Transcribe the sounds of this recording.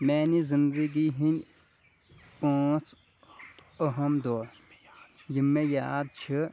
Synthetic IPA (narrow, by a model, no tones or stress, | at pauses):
mɛːnizind̪əɡiɦinʲ | pãːt͡s | əɦɐmd̪oː | jimːejaːd̪̚t͡ʃʰɨ